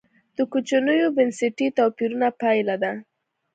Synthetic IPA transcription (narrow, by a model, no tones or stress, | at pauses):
d̪̥əkut͡ʃanəjobɪnsɪʈit̪ɑpiɾunapajlad̪a